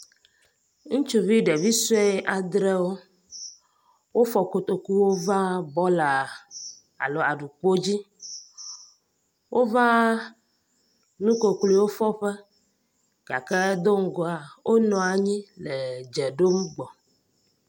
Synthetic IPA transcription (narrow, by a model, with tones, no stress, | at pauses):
ŋũ˦t͡ʃu˦vi˦ɖe˨vi˦su˦e˦ʔa˨d̪ɾɛ˦wo˦ | wo˦fɔ˨ko˨t̪o˨ku˦wo˦va˦bɔ˦la˨ | a̰˨lo˨a˨ɖu˨k͡po˦d͡ʑi˦ | wʔo˦va˦ | nũ˦ko˨kli˨wo˦fɔ˦ɸɛ˦ | ɡ̥a̰˨kɛ˦d̪o˦ŋ̩˨ɡɔ˨a˨wʔo˦nɔ̃˨a˨ɲĩ˦le˨d͡ʒɛ˨ɖo˦m˦ɡ͡bɔ˨